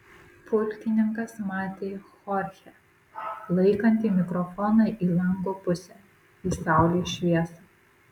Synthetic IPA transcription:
pʊlʲkʲɪnʲɪŋkɐsmɑːt̪ʲeːxɔɾʲxʲɛ | lˠɐɪkɐnʲt̪ʲiːmʲɪkɾɔfɔːnɑʔiːlˠɐŋɡoːpʊsʲɛ | iːsɑˑʊlʲeːʃʲʋʲiɛsɐ

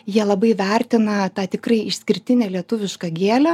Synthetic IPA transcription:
jiɛlˠɐbɐɪʋʲɛˑrʲt̪ʲɪnɐt̪ɑːt̪ʲɪkrɐɪɪʃʲsʲkʲɪɾʲt̪ʲɪnʲæːlʲiɛt̪ʊʋʲɪʃkɐɡʲeːlʲɛ

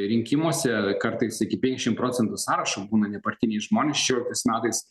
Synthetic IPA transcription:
ɾʲɪŋʲkʲɪmoɔsʲɛkɐɾt̪ɐɪsɪkʲɪpʲɛŋkʲɪʃʲɪmpɾoːt͡s̪ʲɛnt̪ʊsɑːɾɐʃoːbuːnɐnʲɛpɐɾʲt̪ʲɪnʲɛɪsʒmoːnʲɛsʃʲɛʃʲoːlʲɪk̚t̪ɐɪsmʲæːt̪ɐɪs

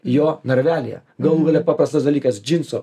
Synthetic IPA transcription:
joːnɐɾʲʋʲæːlʲɪjɛ̰ | ɡɐlˠuːɡɐlʲɛpɑːpɾɐst̪ɐsd̪ɐlʲiːkɐsd͡ʒʲɪnsoː

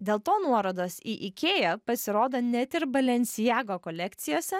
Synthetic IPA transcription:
d̪ʲeːlˠt̪oːnuɔɾoːd̪oːsiʔɪkʲeːjɛpɐsʲɪɾoːd̪onʲɛt̪ʲɪɾbɐlʲɛnʲsʲɪjæːɡoːkɔlʲɛkt̪sʲɪjoːsʲɛ

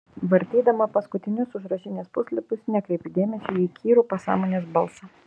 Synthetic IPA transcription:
ʋɐɾʲt̪ʲiːd̪ɐmɐpɐskʊt̪ʲɪnʲʊsʊʒɾɐʃʲɪnʲeːspʊsʲlʲɪpʲʊsnʲɛkɾʲɛɪpʲɪd̪ʲeːmʲɛsʲɪiːkʲiːɾuːpɐsɑ̰ːmoːnʲeːsbɐlˠsɐ

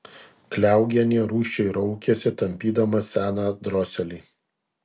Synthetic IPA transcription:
klʲæˑʊɡʲɛnʲiːɾuːʃʲt͡ʃʲɛɪɾɔʊkʲeɛsʲɪt̪ɐmʲpʲiːd̪ɐmɐsʲæːnɑd̪ɾɔːsʲɛlʲiː

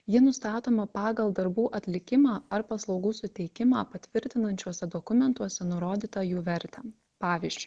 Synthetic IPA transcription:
jɪnʊst̪ɑːt̪oːmɐpɑːɡɐlˠd̪ɐɾbuːʔɐt̪ʲlʲɪkʲɪmɑːɐɾpɐslˠɒʊɡuːsʊt̪ʲɛɪkʲɪmɑ̰ːpɐt̪ʲʋʲɪɾʲt̪ʲɪnɐnʲt͡ʃʲuɔsʲɛd̪ɔkʊmʲɛnt̪uɔsʲɛnʊɾoːd̪ʲiːt̪ɐjuːʋʲɛɾʲt̪ʲɛ | pɑːʋʲiːzʲd͡ʒʲʊɪ

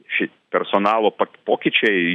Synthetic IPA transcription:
ʃʲɛɪtpʲɛɾsoːnɑːlˠoːpɐpoːkʲɪt͡ʃʲɛɪ

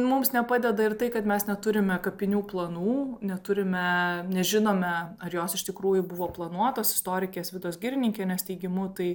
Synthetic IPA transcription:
mʊmsnʲɛpɑːd̪ʲɛd̪ɐɪrt̪ɐɪkɐt̪mʲɛsnʲɛt̪ʊɾʲɪmʲɛkɐpʲɪnʲuːplˠɐnuːnʲɛt̪ʊɾʲɪmʲɛnʲɛʒʲɪnoːmʲɛɐɾjoːsɪʃt̪ʲɪkɾuːjʊbʊʋoːplˠɐnuɔt̪oːsɪ̥st̪oːɾʲɪkʲeːsʋʲɪd̪oːsɡʲɪɾʲɪnʲɪŋʲkʲeːnʲɛst̪ʲɛɪɡʲɪmʊt̪ɐɪ

